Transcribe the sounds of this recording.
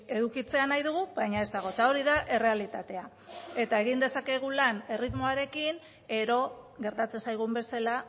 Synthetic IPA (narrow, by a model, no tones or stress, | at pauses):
e̞ðukit͡se̞anajðuɣubajɲae̞zd̪aɣ̞o̞t̪ao̞ɾiðaʔe̞re̞alit̪at̪e̞a | e̞t̪aeɣ̞ind̪esake̞ɣ̞ulane̞rit̪mo̞aɾe̞kin | e̞ɾo̞ɣe̞ɾt̪at͡se̞nsajɣ̞umbe̞sala